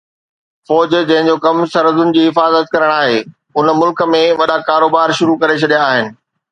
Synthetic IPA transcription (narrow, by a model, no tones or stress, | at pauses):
fɔːd͡ʑd͡ʑɐ̃ɦɪ̃ɲd͡ʑokɐmsɐɾəzʊnɪ̆d͡ʑiːɦɪfaːzət̪̚kɐɾəɽ̃aːɦeː | ʊnəmʊlkə̆mẽʋɐɗakaːɾoːbaːɾʃʊɾukɐɾet͡ɕʰɐɗijaːɦɪnɪ̆